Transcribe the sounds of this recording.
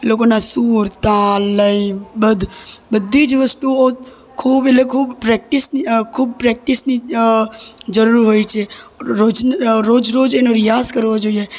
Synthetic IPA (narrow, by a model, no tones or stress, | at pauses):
lokonasuːɾt̪ãləibəd̪ʱbəd̪ʱːid͡ʒʋəsʈuo | kʰuːbelekʰuːbpɾɛk̚ʈɪsikʰuːb̚pɾɛk̚ʈɪsni | d͡ʒəɾuɾɦoit͡ʃʰeod͡ʒɾoːd͡ʒɾoːd͡ʒenoɾɪjaːskəɾʋod͡ʒoie